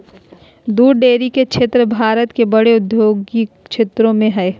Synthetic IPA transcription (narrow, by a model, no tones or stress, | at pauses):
d̪uːɾɖeːɾiket͡ʃʰet̪ɾəbʱaːɾət̪kebɐɽeʊd̪joːɡi | t͡ʃʰet̪ɾõmẽɦɛː